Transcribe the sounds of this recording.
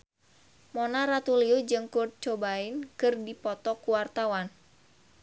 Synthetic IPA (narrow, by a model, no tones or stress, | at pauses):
mɔnaɾat̪uliud͡ʒɨŋkurd̪̚t͡ʃɔbainkɨrdipɔt̪ɔkuwart̪awan